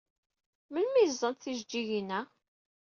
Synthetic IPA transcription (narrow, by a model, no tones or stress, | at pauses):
mənmizˤːənt̪θiʒd͡ʒːiʝənæ